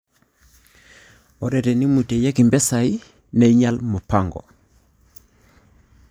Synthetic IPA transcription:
ɔ˨ɾɛ˨tɛ˨ni˦mu˨te˨je˦ki˨mbɛ˦sa˨i˦ | ne˨i˦ɲa˦lmʊ˨pa˦˨ŋɡɔ̰˨

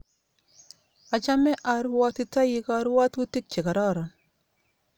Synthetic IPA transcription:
a˨t͡ʃa˦mɛ˦ʔa˨ɾwa˦ti˦ta˦ji˦ka˦ɾwa˦tu˦ti˦k̚t͡ʃe˨ka˨ɾɔ˦˨ɾɔ˨n

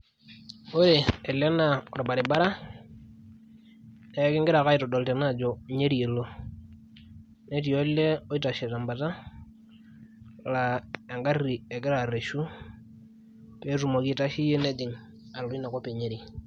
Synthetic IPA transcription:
o˦ɾe˨ɛ˨lɛ˦na˨ɔ˨ɾba˨ɾɪ˨ba˦ɾa˦ | ɛ˦kɪ˦ŋɡɪ˦ɾa˨ka˦i˨tɔ˨dɔ˨ltɛ˨na˦˨d͡ʒɔ˨ɲe˦ɾi˨e˨lo˦ | ne˦ti˨o˦le˦ɔ˦i˦ta˨ʃɛ˨ta˨mba˨ta˦˨ | la˨a˨ŋɡa˦ri˨ɛ˨kɪ˦ɾa˨ɾe˨ʃu˦ | pe˦tu˨mo˨ki˦ta˦ʃi˦je˦ne˦dɪ˨ŋ | a˨lɔ˨i˦na˨kɔ˦pe˨ɲe˦ɾi˨

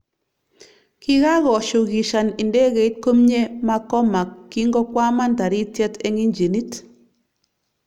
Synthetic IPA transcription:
ki˦ɣa˦ɣɔ˨ʃo˨ɣi˨ʃa˨ni˨nde˦ɣe˨i˦t̚ko˦mɲe˦ma˦kɔ˦ma˨kːi˦ŋɡɔ˦kwa˦ma˦nda˨ɾi˦tjɛ˦te˦ŋi˦nd͡ʒe˨ni˦t

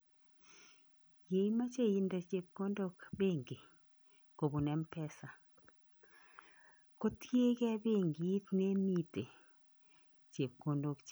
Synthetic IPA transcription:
je˨i˦ma˦t͡ʃe˦˨ji˨nda˨t͡ʃe˨p̚ko˦ndo˦kbe˦˨ŋɡe˨ | ko˨bu˨nɛ˦mpɛ˦sa˨ | ko˦tje˦kɛ˦be˦˨ŋɡi˨i˦t̪ne˦mi˦te˨ | t͡ʃe˨p̚ko˨ndo˨kt͡ʃ

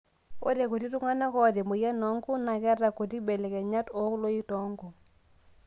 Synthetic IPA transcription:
o̰˦ɾɛ˨ko˨ti˦tu˦ŋa˦na˦kɔ˦˨ɾɛ˨mo˨ja˦nɔ˨˦ŋɡu˦na˨kɛ˦ta˨ko˨t̬i˦bɛ˨lɛ˨kɛ˨ɲa˦tɔ˨˦klo˦i˦tɔ˨˦ŋɡu˨

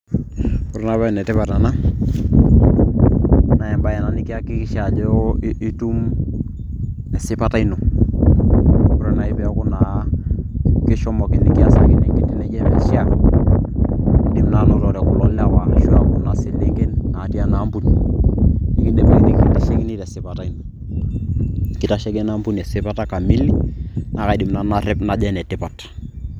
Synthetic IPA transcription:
kʊ˦ɾna˦βa˦˨nɛ˨tɪ˦pa˨ta˨na˦ | na˨jɛ˨mba˦jɛ˨na˨nɪ˦kɪ˦a˦kɪ˦kɪ˦ʃa˨d͡ʒɛ˦i˦tu˦m | ɛ˨sɪ˦pa˦ta˦i˦nʊ˨ | kʊ˦ɾɛ˦na˨ɪ˦pɛ˦a˦kʊ˦na˨ | kɪ˦ʃɔ˦mɔ˨kɪ˨nɪ˦kɪ˦a˨sa˨kɪ˦nɛ˨ŋkɪ˨tɪ˦nɛ˦d͡ʒɛ˦mɛ˨ʃɪ˦a˨ | ɗɪ˨mna˦nɔ˦tɔ˨ɾɛ˨kʊ˨lɔ˦lɛ˦a˦wa˨ʃu˦a˦kʊ˦na˨sɪ˨le˦kɛ˦nːa˨ti˦a˦na˨˦mbu˦n | nɪ˦kɪ˦ɗɛ˨me˦kni˦ki˦ti˦ʃe˦kɪ˦ni˦tɛ˨sɪ˨pa˨ta˦i˦nʊ˨ | kɪ˦ta˨ʃɛ˦kɛ˦na˦mbu˦nɛ˨sɪ˦pa˦ta˦ka˨mi˦lna˨˦ka˨ɗɪ˨mna˨na˦rɪ˦pna˨ʄɛ˦nɛ˨tɪ˦pa˨t

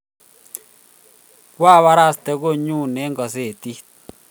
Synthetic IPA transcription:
kwa˦˨βa˦ɾa˦˨st̪e˦ɣo˦˨ɲu˦˨ne˨˦ŋɡɔ˨se˨t̪i˦

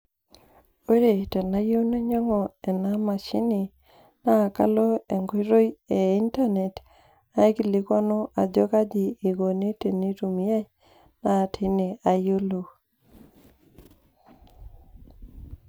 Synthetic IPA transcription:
o˦ɾe˨ta˨na˦jo˦na˦ɲɔ˦ŋɔ˨ɛ˨na˦ma˨t͡ʃi˦ni˨ | na˦˨ka̰˦lɔ˦e˨ŋɡo˦ɾo˦je˨i˦nta˦ne˨t | a˦ki˨li˦kɔ˦nɔ˦ʔa˨d͡ʒɔ˦ka˦d͡ʒiː˨ɡo˨ne˦te˨ni˦ɾu˨mja˦j | na˨tʰi˦ne˨a˨jo˦lo˨

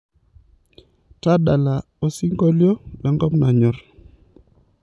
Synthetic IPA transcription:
ta˦ɗa˨la˨ | o˨si˦ŋɡɔ˦ljo˦la˨ŋɡɔ˦pna˨ɲɔ˨r

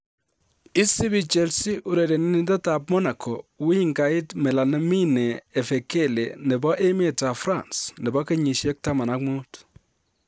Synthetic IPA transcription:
i˦si˦bi˨t͡ʃɛ˦lsi˦ʔu˨ɾe˨ɾe˨ni˦ni˦ta˦ta˨p̚mɔ˦na˨kʰɔ˨wi˦ŋɡa˨ɪ˦tmɛ˨la˨ne˦mi˦neː˨fe˨ke˦le˨nɛ˨bɔ˦ʔe˦me˦˨ta˨fɾa˨nsnɛ˨bɔ˦ke˦ɲi˨ʃɛ˦k̚ta˦ma˨na˦kmu˦t

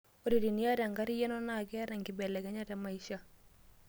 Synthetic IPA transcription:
o˨ɾi˨ɾi˨ni˦a˦ɾa˨ŋɡa˦ɾi˦jɛ˦nɔ˦na˨kɛ˦ɾa˨ŋɡɪ˨bɛ˨lɛ˨ɡɛ˨˦ɲa˦ta˨ma˨iʃa˦

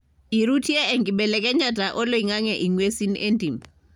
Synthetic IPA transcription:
i˨ɾu˦tʰi˦ɛ˦eŋɡiɓɛlɛk̬ʼɛ˦ɲa˦tʼaʔɔ˦lo˦iŋa˦ŋɛʔi˨ŋwe˦si˦niʔe˦ntʼi˨mbʱa˨

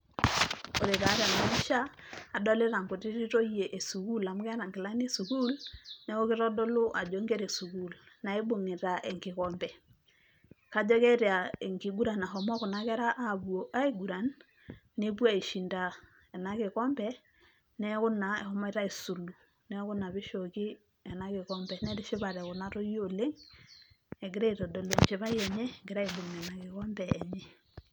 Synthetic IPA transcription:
o˨ɾe˨ta˨˦ɾa˨la˨mi˦ʃaː˦˨dɔ˦lɪ˦ɾa˨ŋkʊ˨ti˦ɾi˦to˦je˨ʔe˨su˨ku˦la˨m˦kɛ˦ɾa˨ŋɡɪ˨la˦ne˦su˨ku˦lnɛ˦kɔ˦kɪ˦ɾɔ˦dɔ˦lʊ˦ʔa˨d͡ʒo˦ŋɡe˦ɾe˨su˨ku˦lna˨e˦bo˨ŋe˨ta˨ʔɛ˨ŋkɪ˨kɔ˦mbɛ˨ | ka˨d͡ʒɔ˦kɛ˦ɾja˨e˨ŋɡi˨ɡu˦ɾa˨na˨ɦɔ˨mɔ˦kʊ˨na˦kɛ˦ɾa˦ʔa˦˨bu˨o˨ʔa˦e˨ɡu˨ɾa˨nː | e˦βwa˦˨e˨ʃi˨nda˨ | ɛ˨na˨ɣe˨ɣɔ˦mbɛ˦ | nɛ˦ɣo˦na˨ɛ̰˨hɔ˨mɔ˦e˦ɾa˦e˨su˨lu˨ | nɛ˦ɣo˦na˨βe˦ʃo˨ɣi˦ | ɛ˨na˦ɣe˨ɣɔ˦mbɛ˨nɛ˦ɾe˦ʃe˦βa˨ɾɛɣo˨na˦ɾo˦jo˦le˦ŋ | ɛ˨ɡe˦ɾe˦i˨ɾɔ˨dɔ˨le˨ɲt͡ʃe˨βa˦jɛ˨ɲɛ˦ŋɡe˦ɾa˦e˨bo˨ŋɛ˨na˨ɣe˨ɣɔ˦mbɛː˨ɲɛ˦

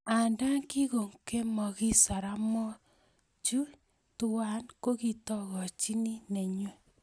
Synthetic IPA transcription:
a˨nda˦ŋki˦ko˨ŋke˦mɔ˨ki˦sa˨ɾa˦mɔ˦ | t͡ʃu˦ | tu˦wa˦nko˦ki˨tɔ˦ɣɔ˨t͡ʃi˦ni˦ne˨ɲe˦

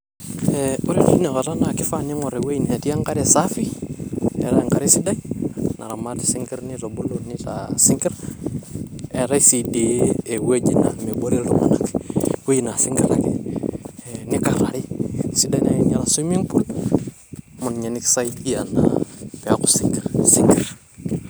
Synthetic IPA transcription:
e˨u˦ɾi˦ti˦ne˨ka˨ta˦na˨ki˦fa˦ni˦ŋo˨ɾe˨we˦i˦ne˨ti˦a˦ŋka˦ɾe˨sa˦fi˦ | ḛ˨ɾa˦˨ŋka˨ɾi˦si˦da˦inʔa̰˨ɾa˨ma˦ti̥˦si˦ŋki˦ɾni˦ɾo˨bu˦lo˨ni˦tasi˦ŋki˦ɾ | e˨ɾa˦i˦si˨de˨˦e˨we˦d͡ʒi˨na̰˨nme˨bo˦ɾi˦lṵ˦ma̰˨na̰˨kwe˦i˨na˨si˦ŋɡi˨ɾa̰˨kḛ˨ | ni˦ka˨ɾa̰˨ɾi˦si˦da˦jna˨ji˨ɲa˨ɾa˨su˦mi˦ŋpu˦l | mu˨nɲa˨ni˦ksa˦ii˦a˨na̰pe˨a˦ku̥˨si˦ŋɡi˨ɾsi˦ŋɡi˦ɾ

